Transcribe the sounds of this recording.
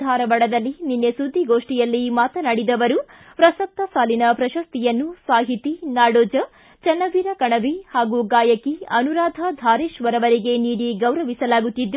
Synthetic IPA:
aːɾɐʋɐɽɐd̪ɐlːininːesud̪ʱːiɡoːʂʈijɐlːimaːt̪ɐnɐɽid̪ɐʋɐɾu | pɾɐsɐk̚t̪ɐsaːlinɐpɾɐʃɐst̪ijɐnːusaːɦit̪inaːɽoːd͡ʒɐ | t͡ʃɐnːɐʋiːɾɐkɐɳɐʋihaːɡuɡaːjɐkiɐnuɾaːd̪ʱɐd̪ʱaːɾeːʃʋɐɾɐʋɐɾiɡe̞niːɽiɡɐwɾɐʋisɐlaːɡut̪ːid̪ːu

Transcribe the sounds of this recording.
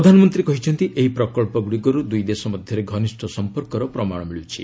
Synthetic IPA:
ɾɔd̪ʱanɔmɔnt̪ɾikɔɦit͡ʃʰɔnt̪iʔeɦipɾɔkɔɭpɔɡuɽiɡɔɾud̪ujd̪esɔmɔd̪ʱjɔɾeɡʱɔnisʈʰɔsɔmpɔɾkɔɾɔpɾɔmaɽ̃ɔmiɭut͡ʃʰḭ

